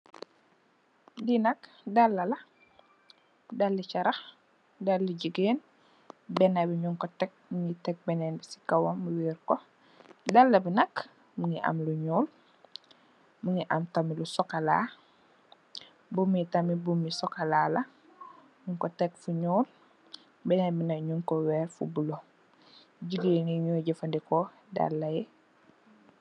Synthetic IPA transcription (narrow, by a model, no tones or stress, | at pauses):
dinɐk | dalːɐlɐ | dalːit͡ʃaɾɐx | dalːiɟəɡeːn | bɛnabiɲuŋkɔtɛk̚muŋitɛk̚bɛnɛːnbisi̥kawomuwiːɾkɔ | dalːɐbinɐk | muŋiʔa̰mluɲuːl | muŋiʔamtamilusɔkalaː | bumitamibumisɔkalalɐ | ɲuŋkotɛkfuɲuːl | bɛnabinɐkɲuŋkowɛːɾfṵbulo | ɟiɡeniɲuːɟafandiko | da̰lːajɛ